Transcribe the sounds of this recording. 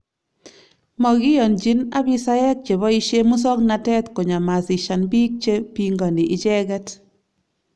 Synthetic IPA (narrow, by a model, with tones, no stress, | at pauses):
mɔ˨ɡɪ˦jɔ˨nd͡ʒi˦na˦bi˦sa˦jɛ˦k̚t͡ʃe˨βɔ˦i˦ʃe˦mu˦s̬ɔ˦kna˨tɛ˦tko˨ɲa˨ma˨sɪ˨ʃa˨nbi˦k̚t͡ʃe˦pi˨ŋɡɔ˨ndi˨ʔɪ˦t͡ʃɛ˦ɡɛ˦t